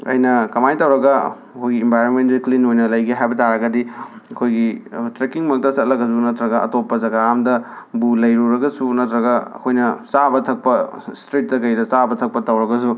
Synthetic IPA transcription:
ɐ̰jnɐkɐmajtɐwɾɐɡɐ | ɐkʰojɡiːmbʱajɾonmentzuklinojnɐlɐjɡiɦajbɐtaɾɐɡɐdi | ɐkʰojɡitɾekiŋmɐk̚tɐsɐt̚lɐkɡɐsunɐtɾɐɡɐɐ̰topːɐzɐɡaamdɐ | bulɐjɾuɾɐɡɐsunɐtɾɐɡɐɐ̰kʰojnɐsabɐtʰɐk̚pɐstɾit̚dɐkɐjdɐsabɐtʰɐk̚pɐtɐwɾɐɡɐs̬u

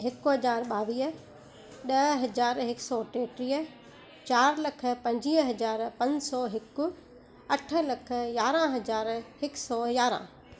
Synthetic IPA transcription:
ɦɪkʊɦɐd͡ʑaːɾɓaːʋiːɦ | ɗɐɦɦɐd͡ʑaːɾɦɪksɔʈeːʈɾiːə | t͡ɕaːɾlɐkʰə̆pɐ̃ɲd͡ʑiɦɦɐd͡ʑaːɾpɐ̃ɲsɔːɦɪkʊ | ɐʈʰə̆lɐkʰə̆jaːɾãɦɐd͡ʑaːɾhɪksɔːjaːɾã̰

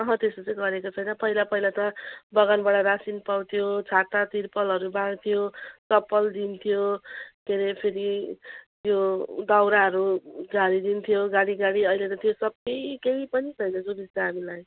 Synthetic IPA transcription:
ʌɦʌ̃t̪esʌt͡sʌjɡʌɾekot͡sʰʌjnʌpʌɦilapʌilat̪ʌbʌɡanbaɽaɾasinpawt̪ʰijot͡sʰat̪at̪iɾpʌlɦʌɾubãŋt̪ʰijosʌpːʌld̪int̪ʰijokeɾepʰeɾi | jjod̪awɾaɦʌɾud͡zaɾid̪int̪ʰijoɡaɽiɡaɽiʌjlet̪ʌt̪ʰijosʌb̚kejkeipʌnisʰʌjnʌd͡zobid͡ztʌɦamilaj

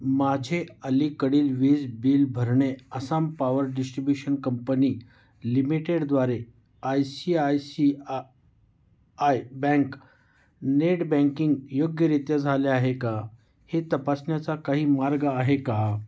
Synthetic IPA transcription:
mad͡ʑʱeəlikəɽiːlʋid͡zbiːlbʱəɾɳeəsampaʋəɾɖisʈɾibjuɕənkəmpəniː | limiʈeɽd̪ʋaɾe | ajsiajsi | ajbɛ̃ŋk | neʈbɛ̃ŋkiŋɡjoɡjəɾit̪jəd͡zʱaljaaɦeka | het̪əpasnjat͡sakaɦiːmaɾɡəːɦeka

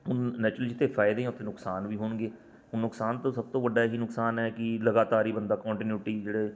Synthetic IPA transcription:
ɦʊnːɛːt͡ʃɾəlid͡ʒɪt̪ʰːeːpʰaːɪd̪ẽːʊt̪ʰeːnʊksaːnʋiːɦoːɳɡeː | ʊnːʊksaːnt̪õːsəb̚t̪õːʋəɖaːɦiːnʊksaːnɛːkɪləɡaːt̪aːɾiːbənd̪aːkɔ̃ːɳʈɪnjuːʈiːd͡ʒeːɽeː

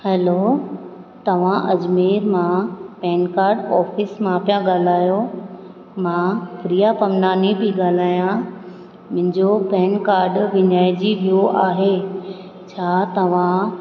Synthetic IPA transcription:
hɛlo | t̪ɐʋ̤ãʔɐd͡ʑmeːɾmãpɛ̃ːnkaːɾɖɔːfɪsmãpjãɡaːl̤aːjo | mãːpɾijapɐmnaːnibiɡaːl̤aːjã | mʊ̃ɦɪ̃ɲd͡ʑopɛ̃ːnkaːɾɖʋɪ̃ɲaːɪd͡ʑiʋijoʔaːɦe | t͡ɕʰaːt̪ɐʋ̤ã

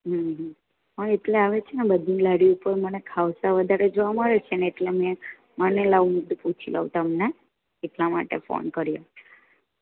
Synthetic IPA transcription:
ɦəɦ | ə̃eʈleaʋet͡ʃʰenebəd̪ʱinlaɽiupəɾmənekʰaʋsaʋəd̪ʱaɾed͡ʒoʋaməɭet͡ʃʰeneːʈlemɛ̃ | mənelaʋumud̪ʱput͡ʃʰilʔa̰ʋut̪əmne | eʈlama̰ʈḛfo̰nkəɾjo

